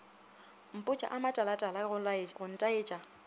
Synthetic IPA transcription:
m̩pʼʊt͡ʃʼa̰ʔamatʼalatʼalaʊɣʊn̩tʼaeːt͡ʃʼa

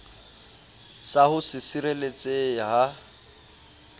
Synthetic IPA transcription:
saɦʊsɪsiɾelet͡sʼeɦa

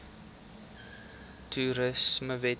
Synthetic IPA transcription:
tʰuɾəsməvɛ

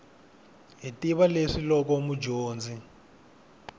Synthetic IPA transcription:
ɦitiβaleʂilɔk̬ɔmud͡ʒoːnd͡zi

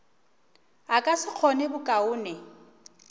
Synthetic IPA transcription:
akʼasɪq͡χʰɔnɪbʊkʼaʊːnɛ

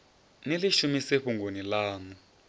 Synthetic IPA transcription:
neliʃumiseɸuŋɡonilaːŋu

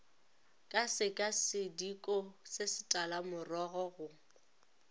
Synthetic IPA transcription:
kʼasɪkʼasɪdikʼɔsɪsɪ̥tʼalamʊrɔɣɔɣʊ

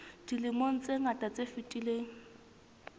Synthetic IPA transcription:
d̥ilɪmon̩t͡sʼeŋ̩atʼat͡sʼefɪtʼileːŋ̩

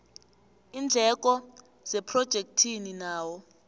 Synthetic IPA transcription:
ind͡ɮʱɛk̬ʼɔ | z̥ɛpʰrɔd̥ʒ̥ʱek̚tʰininaːwɔ

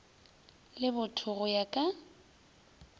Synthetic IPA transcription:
lɪbʊtʰʊɣʊjakʼa

